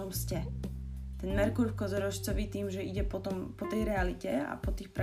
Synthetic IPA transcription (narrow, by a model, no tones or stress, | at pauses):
ɔmscɛ | t̪ɛnmɛɾkulfkɔzɛɾɔʃt͡sɔʋiːt̪iːmʒɛiɟɛpɔt̪ɔmpɔt̪ɛjɾɛalicɛa̰pɔt̪iːxpɾ